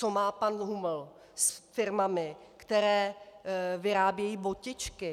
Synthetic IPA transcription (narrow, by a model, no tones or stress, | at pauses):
t͡somaːpanɦuml | sfɪɾmamɪkt̪ɛɾɛː | vɪɾaːbjɛjiːbocɪt͡ʃkɪ